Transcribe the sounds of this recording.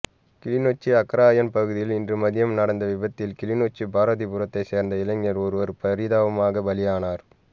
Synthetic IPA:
kɪlɪnoːt͡ʃːiɐkːɐɾaːjɐnpɐɣɯðɪjɪlɪndrɯmɐðɪjɐmnɐɽɐnd̪ɐʋɪbɐt̪ːɪlkɪlɪnoːt͡ʃːibaːɾɐðipʊɾɐt̪ːɐɪseːɾnd̪ɐɪlɐɲːɐɾɔɾɯʋɐɾpɐɾɪðaːʋɐmaːɣɐbɐlɪjaːnaːɾ

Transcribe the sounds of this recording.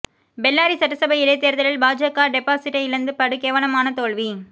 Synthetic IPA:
bɛlːaːɾisɐʈːɯsɐbɐjɪlɐːt̪ːeːɾðɐlɪlbaːd͡ʒɐkːaːɖɛpːaːsɪʈːɐɪɪɾɯnd̪ɯpɐɽɯkeːʋɐɭɐmaːnɐt̪oːɭʋi

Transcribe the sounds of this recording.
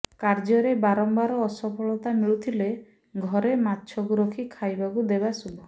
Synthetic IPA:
kaɾd͡ʒɔɾebaɾɔmbaɾɔːsɔpʰɔɭɔt̪amiɭut̪ʰile | ɡʱɔɾemat̪ːt͡ʃʰɔkuɾɔkʰikʰajbakud̪ebasubʱɔ

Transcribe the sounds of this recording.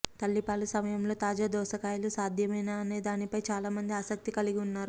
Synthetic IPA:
t̪ɐlːipaːlusɐmɐjɐmlo̞ːt̪aːd͡ʒaːd̪ɔːʃɐkaːjlusaːd̪ʱjɐmɐjnaːɐne̞ːd̪aːnipɐjt͡ʃaːlaːmɐnd̪iaːsɐk̚t̪ikɐliɡiunːaːɾu

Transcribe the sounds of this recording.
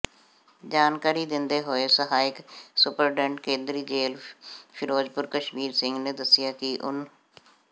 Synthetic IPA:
d͡ʒaːnkaːɾiːd̪ɪnd̪eːɦoːeːsəɦaːɪksʊpəɾɖɛ̃ɳʈkẽːnd̪ɾiːd͡ʒeːlpʰɪɾoːd͡ʒpʊɾkəʃmiːɾsɪ̃ŋɡnẽːd̪əsːɪjaːkɪʔʊ̰n

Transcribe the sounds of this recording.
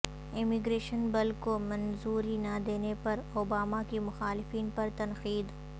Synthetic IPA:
ɪmɪɡɾeːʃənbɐlkomɐ̃nzuːɾinɐd̪eːnepɐɾoːbaːmakimʊxaːlɪfiːnpɐɾt̪ɐnxiːd̪

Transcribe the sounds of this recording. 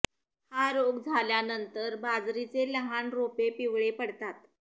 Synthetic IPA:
haɾoɡd͡zʱaljanənt̪əɾbad͡zɾit͡seləɦanɾopepiʋɭepəɽt̪at̪

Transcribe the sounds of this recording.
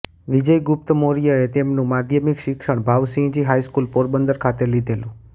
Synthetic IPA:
ʋid͡ʒəjɡʊp̚t̪əmoɾijəet̪emnũmad̪ʱjəmikʃɪkʃəɳ̃bʱaʋsĩd͡ʒiɦajskulpoɾbənd̪əɾkʰat̪elid̪ʱelũ

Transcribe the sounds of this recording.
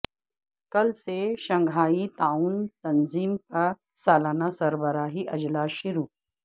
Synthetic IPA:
kəlseɕə̃ŋɡʱaːit̪auːnt̪ɐnziːmka | salanasəɾbəɾaːɦiʔɐd͡ʑlaʃiɾuː

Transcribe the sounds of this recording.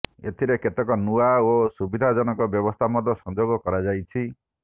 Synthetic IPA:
ḛt̪ʰiɾeket̪ekɔnuaosubid̪ʱad͡ʒɔnɔkɔbjɔbɔst̪ʰamɔd̪ɔsɔnd͡ʒoɡɔkɔɾad͡ʒajt͡ʃʰi

